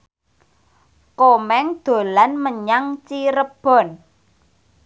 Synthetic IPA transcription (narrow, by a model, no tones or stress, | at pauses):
komɛŋd̪̥o̤lanməɲaŋt͡ʃiɾəb̥ɔ̤n